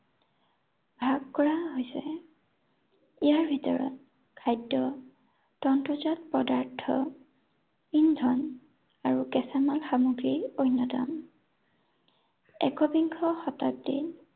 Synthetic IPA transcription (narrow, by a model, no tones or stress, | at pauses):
bʱaɡkɔɹaɦojsɛ | ijaɹbʱitɔ̰ɹɔ̰t̚ | kʰajdːɔ | tɔntɹuzɔtpɔdaɹtʰɔ | indʱɔn | aɹukɛsamalxamuɡɹiojnːɔta̰m | ɛ̰kɔbiŋkʰɔxɔtap̚dḭn